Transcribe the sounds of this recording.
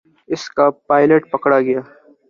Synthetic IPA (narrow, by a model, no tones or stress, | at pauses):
ɪskapaːɪleʈpɐkɽaɡɐjaː